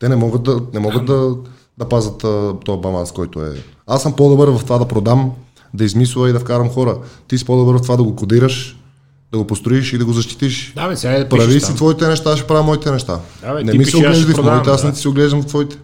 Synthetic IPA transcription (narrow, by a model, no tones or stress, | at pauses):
t̪ɛnɛmɔɡət̪̚d̪ɐnɛmɔɡət̪̚d̪ɐ | d̪ɐpazət̪ːt̪ɔjbɐlˠanskɔjt̪oɛ̰asːɐmpod̪obəɾvɐft̪ovad̪ɐpɾod̪am | d̪ɐizmisuvɐid̪ɐfkaɾɐmxɔɾət̪is̬i̥pod̪obəɾvɐft̪ovad̪ɐɡokod̪iɾəʃ | d̪ɐɡopost̪ɾoiʃid̪ɐɡozɐʃt̪i̥t̪iʃd̪aspɾɾɐvisit̪vɔit̪ɛnɛʃt̪aʃɛpɾamɔit̪ɛnɛʃt̪anɛmisioɡlɛʒd̪ifmɔit̪ɛasnɛt̪i̥sioɡlɛʒd̪ɐmvɐft̪vɔit̪ɛ̥